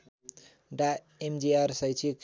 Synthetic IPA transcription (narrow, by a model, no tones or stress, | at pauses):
ɖa | emd͡ʒiaɾsajt͡ʃʰik